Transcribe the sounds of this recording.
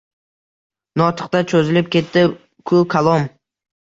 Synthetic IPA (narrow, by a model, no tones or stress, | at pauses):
nɒt̪ʰɨ̥qt̪at͡ʃʰozɪlɪp̚kʲe̞t̪ːɪ | kʰʊkʰalˠom